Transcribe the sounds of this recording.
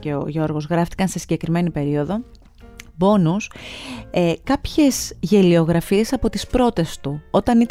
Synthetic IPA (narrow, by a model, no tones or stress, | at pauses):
eo̰ʝo̞ɾɣo̞zɣɾɐft̪i̥kɐnse̞siɟe̞kɾime̞nipe̞ɾio̞ðo̞ | bo̞nus | kɐpçe̞szʝe̞lio̞ɣɾɐfie̞sɐpo̞t̪ispɾo̞t̪e̞st̪uo̞t̪ɐni